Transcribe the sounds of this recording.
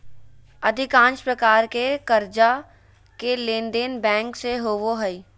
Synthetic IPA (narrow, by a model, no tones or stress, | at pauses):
əd̪ʱɪkãːnt͡ʃpɾəkaːɾkekəɾd͡ʒa | kelẽːnɖ̪eːnbɛ̃ːŋkseɦoːʋoɦəi